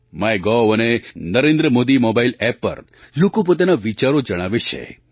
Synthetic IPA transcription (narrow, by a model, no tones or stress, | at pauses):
majɡɔənenəɾẽnd̪ɾəmod̪imɔbailɛpːə̰ɾ | lukup̬ot̪anaʋit͡ʃaɾod͡ʒəɽ̃aʋet͡ʃʰḛ